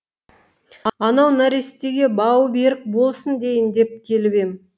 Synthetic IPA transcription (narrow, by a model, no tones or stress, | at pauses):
ɑɑnɑwnaɾest̪e̞ɡʲe̞bɑwbe̞ɾɪk̚bo̞lˠsənd̪e̞jɪnd̪e̞p̚kʲʰe̞lɪbe̞m